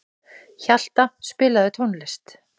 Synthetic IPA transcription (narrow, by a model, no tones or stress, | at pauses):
çal̥t̪aspɪːlaðɪt̪ʰownlɪst̪